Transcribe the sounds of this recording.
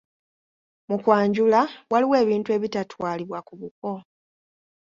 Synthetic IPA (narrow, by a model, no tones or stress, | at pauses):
mukwaːɲɟulawaliwe̞ːβiːntue̞βitatwaːliβwakuβuko̞